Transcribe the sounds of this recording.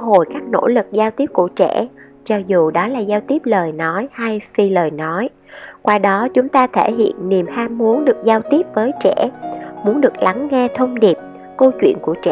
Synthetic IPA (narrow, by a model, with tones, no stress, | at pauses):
ɦo̰˨˩˨jkaː˦˥k̚no̰˧˥lɨ˨˩k̚zaː˧wt̪i˦˥əp̚ku˧˩ət͡ɕɛ̰˧˩˥ | t͡ɕɔ˧zu˨˩ɗɔ˨˦laː˨˩zaː˧wt̪i˦˥əp̚ləː˨˩jnɔ˨˦jha˧jfi˧ləː˨˩jnɔ˨˦j | kwaː˧ɗɔ˨˦t͡ɕʊ˨˦ŋ͡mt̪aː˧t̪ʰe˧˩ɦḭ˧˨ənːi˨˩əmhaː˧mːmu˨˦ənɗɨ˨˩ək̚zaː˧wt̪i˦˥əp̚vəː˨˦jt͡ɕɛ̰˧˩˥mu˨˦ənɗɨ˨˩ək̚la˨˦ŋŋɛ˧t̪ʰə˧wŋ͡mɗi˨˩p̚ | ko˧t͡ɕwḭ˧˨ənku˧˩ət͡ɕɛ̰˧˨